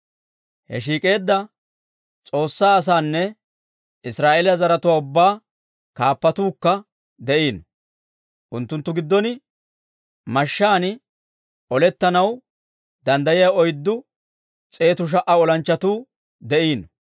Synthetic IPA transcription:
hɛ̰ʃ̬iːkʼe̞ːd̪ːɐ | t͡sʼo̞ːsːaːs̬aːnːɛ | ɪsɾaːʔeːlɪjɐzɐɾɐt̪ʊwaːʊbːaː | kaːpːɐt̪uːkːɐ | d̪ɛʔiːn | ʔʊnt̪ːʊnt̪ːʊɡɪd̪ːɔnɪ | mɐʃːaːnɪ | ɔlɛt̪ːɐnɐw | d̪ɐnd̪ɐjɪjɐɔjd̪ːʊ | t͡sʼe̞ːt̪ʊʃ̬ɐʔɐɔlɐnt͡ʃːɐt̪uː | d̪ɛʔiːn

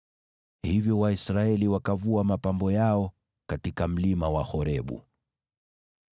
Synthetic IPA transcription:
hivjɔwaisɾaɛliwakavuamapambɔjaɔ | katikam̩limawahɔɾɛɓṵ

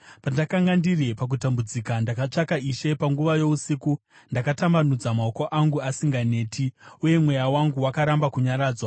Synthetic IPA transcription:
pandakaŋɡandirepak̬utambud͡zikandakat͡ʂakaiʃe̞paŋɡuʋajo̞usiku | ndakatambanud͡zamaoko̞ʔaŋɡuasiŋɡane̞ːtʰiuje̞mwe̞jawaŋɡuwakaɾambakuɲaɾaːd͡zwa

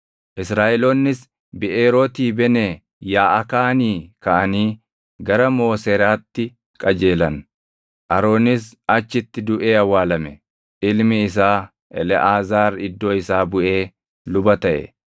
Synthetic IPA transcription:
ʔɪsɾaːʔɛloːnːɪs | bɪʔeːɾoːt̪iːbɛne | jaːʔɐkaːniːkɐʔɐniː | ɡɐɾɐmo̞ːseɾaːt̪ːɪ | kʼɐd͡ʒe̞ːlɐn | ʔɐɾo̞ːnɪs̬ | ɐt͡ʃːɪt̪ːɪd̪ʊʔeːɐwːaːlɐmɛ | ʔɪlmɪɪs̬aː | ʔɛlɛʔaːzaːɾɪd̪ːo̞ːɪsaːbʊʔe̞ː | lʊbɐt̪ɐʔɛ̰

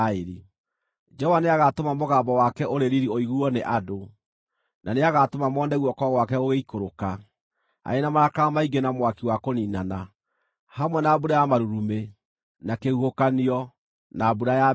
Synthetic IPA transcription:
eɾi | d͡ʒɛɔwaneaɣatomamoɣaːbɔwakɛʔoɾeɾiɾioiɣuɔneʔado | nʔaneaɣatomamɔːndɛɣwɔkɔɣwakɛoɣeikoɾoka | a̰enamaɾakamaiɡenamwakiwakoniːnana | hamwɛnaːbuɾajamaɾuɾume | nakehuhokaniɔ | naːbuɾaja

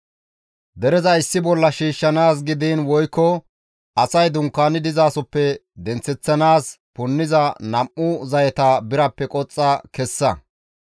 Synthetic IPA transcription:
d̪ɛɾɛzɐɪsːɪbɔlːɐʃiːʃːɐnaːs̬ɡɪd̪iːnwɔjkːɔ | ʔɐsɐjd̪ʊŋkːaːnɪd̪ɪzaːsɔpːɛ | d̪ɛnt͡sːɛt͡sːɐnaːs | pʊnːɪzɐnɐmʔːʊzɐjɛt̪ɐbɪɾɐpːɛkʼɔt͡sʼːɐkɛsːɐ

